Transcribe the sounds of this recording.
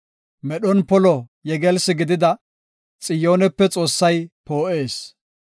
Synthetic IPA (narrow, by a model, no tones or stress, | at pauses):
mɛɗɔnpɔlɔjɛɡɛlsɪɡɪd̪ɪd̪ɐ | t͡sʼɪjo̞ːnɛpːɛt͡sʼo̞ːsːɐjpoːʔe̞ːs